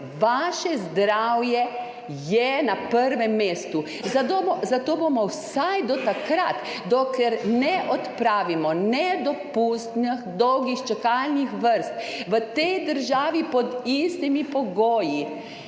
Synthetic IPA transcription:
ʋaʃɛzd̪ɾawjɛ | jɛnapəɾʋɛmːeːst̪u | aozat̪oːbomɔwsajd̪ɔt̪akɾat̪ | d̪ɔklɛɾnɛʔɔt̪pɾaːʋimɔnɛd̪ɔpust̪nixd̪ɔwɡixt͡ʃɛkalnixʋəɾst̪ʋət̪ɛjd̪əɾʒaːʋipɔd̪ist̪imipɔɡoːji

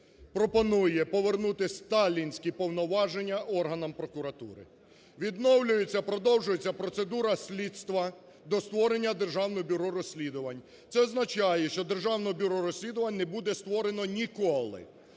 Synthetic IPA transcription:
pɾɔpɔnujɛpɔʋernut̪ɪst̪ɑlʲinʲsʲkʲipɔwnɔʋɑʒenʲːɐʔɔrɦɐnɐmpɾɔkʊɾɐt̪ṵɾɪ̰ | ʋʲid̪nɔwlʲʊjet͡sʲːɐpɾɔd̪ɔwʒʊjet͡sʲːɐpɾɔt̪se̞d̪uɾɐsʲlʲit̪st̪ʋɐ | d̪ɔst̪ʋɔɾenʲːɐd̪erʒɑwnɪxbʲʊɾɔɾɔsʲlʲid̪ʊʋɐnʲ | t̪sɛɔznɐt͡ʃɑjɛʃt͡ʃɔd̪erʒɑwnɔbʲʊɾɔɾɔsʲlʲid̪ʊʋɐnʲnɛbud̪ɛst̪ʋɔɾe̞nɔnʲikɔlˠɪ̰

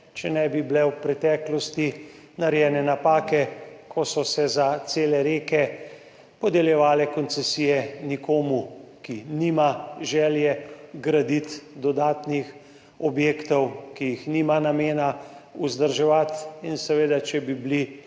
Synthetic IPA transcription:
t͡ʃɛnɛbiblɛwpɾɛt̪ɛːklɔst̪i | naɾjɛːnɛnapaːkɛkʰɔsɔsɛzat̪seːlɛɾeːkɛ | pɔd̪ɛljɛʋaːlɛkɔnsɛsiːjɛnikoːmukiniːmaʒɛːljɛɡɾad̪it̪d̪ɔd̪aːt̪nix | ɔbjeːkt̪ɔwkijixniːmanameːnauzd̪əɾʒɛʋat̪insɛʋeːd̪at͡ʃɛbibli

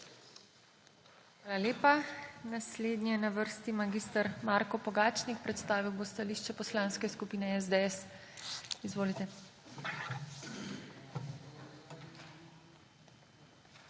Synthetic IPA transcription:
xʋaːlaleːpanasleːd̪nijɛnaʋəɾst̪imaɡiːst̪aɾmaɾkɔpɔɡaːt͡ʃnikpɾɛt̪st̪aːʋiwbost̪aliːʃt͡ʃɛpɔslãnskɛskupiːnɛɛzd̪eɛs | izʋoːlit̪ɛ

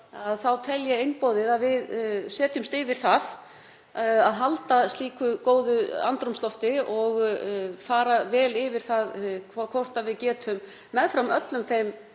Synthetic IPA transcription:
aðθawt̪ʰɛljaejnpɔːðɪðaðvɪðsɛːt̪ʏmst̪ɪvɪɾ̥θað | aðɦalt̪ast̪liːkʏkoːwðʏa̰nt̪ɾumst̪lɔft̪ɪɔɣfaːɾavɛːlɪvɪɾ̥θaðkʰakʰvɔr̥t̪avɪðcɛːt̪ʰʏmː | ɛðfɾamœt̪lʏmθejm

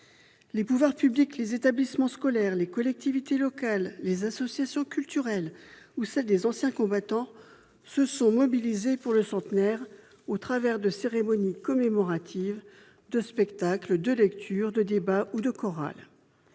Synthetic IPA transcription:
lepuvwaʁpybliklezet̪ablismɑ̃skɔlɛʁlekɔlɛk̚t̪ivit̪elɔkalːezasɔsjasjɔ̃kʲylt̪yʁɛlusɛld̪ezɑ̃sjɛ̃kɔ̃bat̪ɑ̃ | səsɔ̃mɔbilizepuʁləsɑ̃t̪nɛʁ | ot̪χavɛʁd̪əseʁemɔnikɔmemɔʁat̪ʰiv | d̪əspɛkt̪akləd̪əlɛkt̪ʰyʁd̪əd̪ebaud̪əkɔʁa̰l

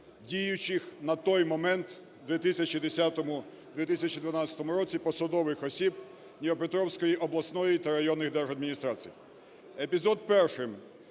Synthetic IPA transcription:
dʲijʊt͡ʃɪxnɐt̪ɔjmɔmɛnt̪ | d̪ʋʲit̪isʲɐt͡ʃid̪esʲat̪ɔmʊ | d̪ʋʲit̪isʲɐt͡ʃid̪ʋɐnɑt͡sʲsʲɐ̥t̪ɔmʊɾɔt͡sʲipɔsɐd̪ɔʋɪxɔsʲib | nʲiʋɔpet̪ɾɔwsʲkɔjiʔɔblˠɐsnɔjit̪ɐɾɐjɔnːɪxd̪ɛrʒɐd̪̚mʲɪnʲist̪ɾat͡sʲiji | epʲizɔd̪̚pɛrʃɪm

